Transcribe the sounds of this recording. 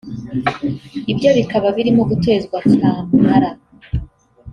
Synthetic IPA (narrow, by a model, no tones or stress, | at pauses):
ibɟo̞βikaβaβiɾimoɡute̞ːzɡwaaːmuhaɾa